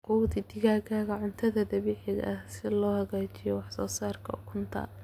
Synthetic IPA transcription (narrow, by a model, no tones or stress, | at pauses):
quwt̪id̪ɪɣaːɣaːɣɐʕʊnt̪ʰɐðɐd̪ɐβiːʕɪɣɐʔɐhsɪlɔːhɐɣaːt͡ʃɪjɔwɑħsɔːsaːrkʰɐ̰ʊkʰʊnt̪ʰɐ̰